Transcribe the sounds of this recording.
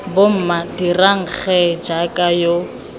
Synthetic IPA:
bom̩madiraŋ̩k͡xɛd͡ʒakʼajo

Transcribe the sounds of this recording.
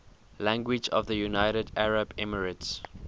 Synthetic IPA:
læ̃ŋɡwɪd͡ʒɔ̰vðəjunaɪɾədæɹəbɛməɹəts

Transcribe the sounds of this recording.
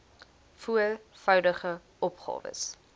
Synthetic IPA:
fuəlfœwdəχə | ʔɔpχɑ̰ːvə̰s

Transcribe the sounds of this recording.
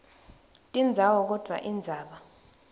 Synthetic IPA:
tʼind͡zʱawɔk̬ɔd̥ʱwa̰ʔind͡zʱaːɓa

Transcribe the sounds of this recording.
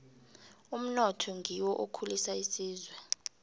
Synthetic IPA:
um̩nɔtʰɔŋʱiwɔʔokʰulisaisiːzwɛ

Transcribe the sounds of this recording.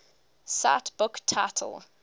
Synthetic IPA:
sa̰tb̥ʊktʰatʰə̰l̩ˠ

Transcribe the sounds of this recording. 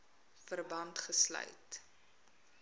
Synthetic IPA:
fərbɐntχəslœ̰ɥt

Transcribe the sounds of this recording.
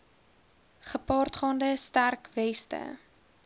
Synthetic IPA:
χəpɑːrtχɑːndəstærkvɛstə̰

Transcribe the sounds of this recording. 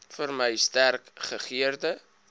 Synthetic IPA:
fərməjstærkχəχiərdə

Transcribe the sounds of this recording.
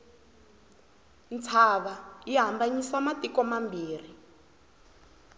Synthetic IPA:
nt͡sʰaβaiɦambaɲiswamatikɔmambiːr̤i

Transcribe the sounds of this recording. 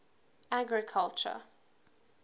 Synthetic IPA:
aɡɹɪkʰalt͡ʃə̰

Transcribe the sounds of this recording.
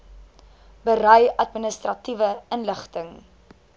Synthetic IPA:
bəɾœjɐtmənəstrɐtivəənləχtəŋ

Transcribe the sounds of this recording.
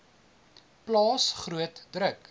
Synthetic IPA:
plɑːsχruətdɾək

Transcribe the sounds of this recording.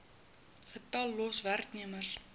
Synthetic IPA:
χətɑlːɔsværkniəmərs

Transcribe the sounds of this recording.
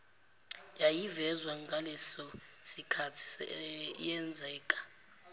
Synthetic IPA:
jajivɛzwaŋɡʱalɛsɔsikʰatʰi̥sɛjɛnd͡zʱɛːkʼḁ

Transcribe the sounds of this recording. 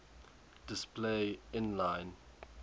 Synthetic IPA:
d̥ɪspleɪ̃nlãɪ̃n

